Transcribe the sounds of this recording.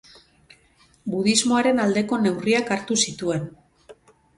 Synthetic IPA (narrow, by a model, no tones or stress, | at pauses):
buðizmo̞aɾe̞nald̪e̞ko̞ne̞wriakaɾt̪usit̪ue̞n